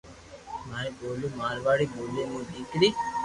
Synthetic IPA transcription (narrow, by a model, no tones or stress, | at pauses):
maːẽːɓoːloːmaːɾʋaːɽiːɓoːleːmũːɗ̪iːkɽiː